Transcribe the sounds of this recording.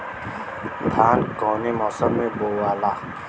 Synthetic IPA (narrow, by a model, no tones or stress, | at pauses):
t̪ʰaːnkɔːnemɔsəlmẽbowaːla